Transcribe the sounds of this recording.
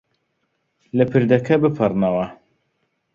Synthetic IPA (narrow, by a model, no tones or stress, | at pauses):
lɐpʰɨɾd̪ɐkʰɐbɨpʰɨrnɐwɐ